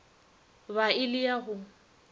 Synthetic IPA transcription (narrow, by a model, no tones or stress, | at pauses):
βaɪlɪaɦʊ